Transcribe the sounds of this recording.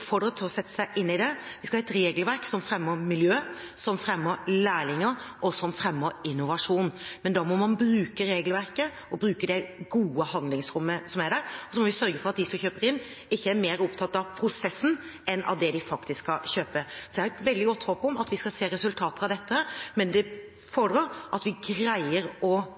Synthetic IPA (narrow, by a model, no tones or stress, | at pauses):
pfɔɖɾət̪ʰːɪɔsɛt̪ːə̥sæɪʔɪnːɪd̪ɛʋɪskɑhɑːɛt̪ɾeːɡəlʋæɾksɔmfɾɛmːəɾmɪljøː | sɔmfɾɛmːəɾlæːlɪŋəɾʔɔsɔmfɾɛmːəɾɪnːʊʋɑʂuːnmɛnd̪ɑːmɔmɑnbɾʉːkəɾeːɡlʋæɾkə | ɔbɾʉːkəd̪ɛɡuːəhɑnd̪lɪŋsɾʊmːəsɔmæɖæɾɔsɔmɔʋɪsœɾɡəfɔɾɑt̪̚d̪ɪsɔmçøːpəɾɪnː | ɪçːəæɾmeːɾɔpt̪ʰɑt̪ːɑʋpʰɾʊsɛsːn̩ | ɛnʔɑ̰ʋd̪ɛd̪ɪfɑkt̪ɪskːɑçøːpəsɔd̪ɛhɑɾɛt̪ʋɛld̪ɪɡɔt̪ːhoːpɔmɑt̪ʋɪskɑseːɾɛsʉlt̪ʰɑːt̪əɾɑʋd̪ɛt̪ːəhæːɾmɛnd̪ɛ | fɔɖɾuːɾʔɑt̪ʋɪɡɾæɪəɾɔ